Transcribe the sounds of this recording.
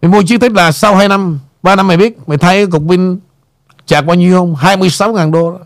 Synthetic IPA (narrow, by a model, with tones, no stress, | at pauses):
m˨˩mu˧ət͡ɕɨ˧˦˥t̪i˦˥k̟̚laː˨˩sa˧wɦaː˧jna˧m | ɓaː˧na˧mːa˨˩jɓi˦˥t̚ma˨˩jt̪ʰa˧jkaː˨˦kʊ˨˩k͡p̚mi˧ŋ̟ | t͡ɕaː˨˩k̚ɓaː˧ɲi˨˧˨ə˨whə˧wŋ͡mɦaː˧jmɨ˧əjsa˨˦wŋaː˨˩nɗo˧˦